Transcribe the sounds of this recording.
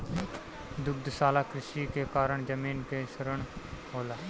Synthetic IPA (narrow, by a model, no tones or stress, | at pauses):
d̪ʊɡ̚d̪saːlaːkɾɪʃikekaːɾəɳd͡ʒəmiːnkeʃəɾəɳ̃ɦoːlaː